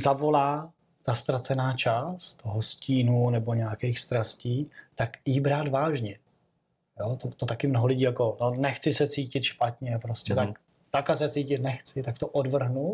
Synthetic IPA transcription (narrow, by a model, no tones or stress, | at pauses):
zavo̞laː | t̪ast̪ɾat͡sɛnaːt͡ʃaːst̪t̪oɦosciːnunɛbo̞ɲɛakɛjxst̪ɾasciːt̪akjɪbɾaːd̪vaːʒɲɛ | jot̪ot̪ot̪akɪmnoɦolɪɟiːjako̞nonɛxt͡sɪsɛt͡siːcɪt̪ʃpat̪ɲɛpɾoscɛt̪ak | t̪akasɛt͡siːcɪt̪nɛxt͡sɪt̪ak̚t̪oʔodvr̩ɦnu